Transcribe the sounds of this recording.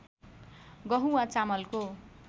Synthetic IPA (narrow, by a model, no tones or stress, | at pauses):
ɡʌɦuwat͡samʌlko